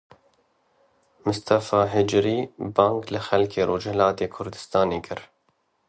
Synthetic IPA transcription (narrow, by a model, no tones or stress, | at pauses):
mʊst̪ʰafɑːɦɪd͡ʒɾiːbɑːŋɡlɪxɛlkʰeːɾoːd͡ʒɛlɑːt̪eːkʰʊɾd̪ɨst̪ɑːneːkʰɨɾ